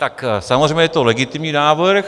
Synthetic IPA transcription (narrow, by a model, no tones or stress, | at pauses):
t̪aksamozr̝ejmɲɛjɛt̪olɛɡɪt̪ɪmɲiːnaːvɾx